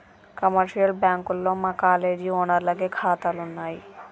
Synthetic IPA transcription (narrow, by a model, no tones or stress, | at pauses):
kɔmaɾʃialbɛŋkolːomakaleɖionaɾlaɡekʰat̪alonːaj